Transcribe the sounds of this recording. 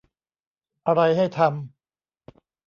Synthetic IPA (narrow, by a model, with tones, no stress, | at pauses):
ʔa˧ɾa˧jɦa˥˩jt̪ʰa˧m